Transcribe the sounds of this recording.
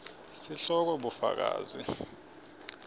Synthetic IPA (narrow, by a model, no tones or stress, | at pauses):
siɬɔk̬ɔɓufa̰k̬a̰ːzi